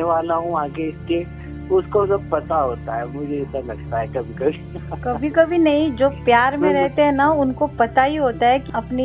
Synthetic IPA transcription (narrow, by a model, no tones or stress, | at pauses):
eʋaːlaɦũaːɡeɪske | ʊskosɐb̚pɐt̪aɦoːt̪aɦɛmʊd͡ʒʱeɪsalɐɡt̪aɦɛkɐbʱikɐbʱikɐbʱikɐbʱinɐɦĩd͡ʒoːpjaːɾmẽɾɛɦt̪eɦɛ̃naʊnkopɐt̪aɦiɦoːt̪aɦɛkiɐpni